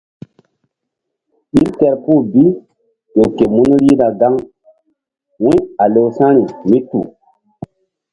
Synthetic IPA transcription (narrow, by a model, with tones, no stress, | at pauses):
i˦ɾtɛ˨ɾpu˦˨bi˦ | jo˨ke˨mu˦nu˦ɾi˦na˨ɡa˦ŋ | wĩ˦a˨lo˨sã˦ɾi˨mi˦tṵ˨